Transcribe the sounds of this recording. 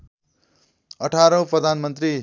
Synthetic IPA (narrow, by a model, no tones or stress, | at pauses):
ʌʈʰaɾʌ̃w̃prʌd̪ʱanmʌnt̪ri